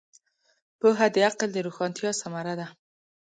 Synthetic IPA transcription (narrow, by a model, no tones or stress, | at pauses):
pəɦad̪əaqld̪əɾoxɑnt̪jɑsamaɾad̪a